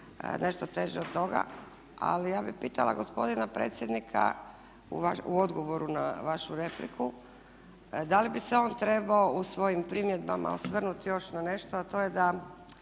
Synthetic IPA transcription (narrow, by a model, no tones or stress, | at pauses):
nʔe̞ʃt̪ot̪e̞ːʒeod̪̚t̪o̞ɡa̰ | a̰lijaːbixpiːt̪alˠa̰ɡo̞spo̞d̪inapɾe̞ːt̪sje̞d̪nikʰa̰ | ṵʋauo̞d̪ɡo̞ʋo̞ɾuna̰ʋaʃuɾe̞plḭkʰu | d̪alibiseo̞ːnt̪ɾe̞baousʋo̞jimpɾimjed̪̚bama̰osʋr̩nut̪jo̞ʃnane̞ʃt̪oat̪o̞jed̪a